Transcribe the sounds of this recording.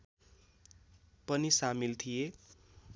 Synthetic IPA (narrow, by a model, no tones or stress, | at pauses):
pʌnisamilt̪ʰije